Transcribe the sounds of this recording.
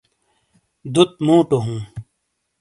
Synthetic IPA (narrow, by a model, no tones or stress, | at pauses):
d̪ut̪̚mũːʈoɦũː